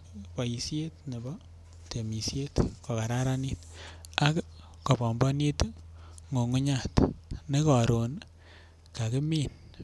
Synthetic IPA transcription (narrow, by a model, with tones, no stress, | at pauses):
pa˨i˨sje˦tne˨bɔ˦ | te˨mi˨sje˦tkɔ˨ka˨ɾaɾa˦ni˦ta˦k | ko˨bɔ˨mbɔ˦ni˦t | ŋo˨ŋu˦ɲa˨tne˦kɔ˨ɾo˨n | ka˨kɪ˦mi˦n